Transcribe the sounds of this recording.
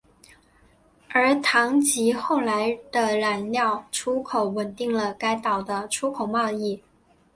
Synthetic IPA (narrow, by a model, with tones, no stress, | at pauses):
ə˞˧˥t̪ʰɑ˧˥ŋt͡ɕi˧˥xo˥˩ʊla˧˥ɪd̪̥ə˧la˧˥nljɑ˥˩ʊʈ͡ʂʰu˥kʰo˧˩˥ʊwə˨˩nt̪i˥˩ŋlə˩ka˥ɪt̪ɑ˨˩ʊd̪ə˦ʈ͡ʂʰu˥kʰo˨˩ʊmɑ˥˧ʊi˥˩